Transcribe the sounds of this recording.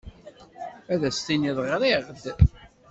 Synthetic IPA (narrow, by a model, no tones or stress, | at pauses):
æðæst̪iniðˤʁɾeʁd̪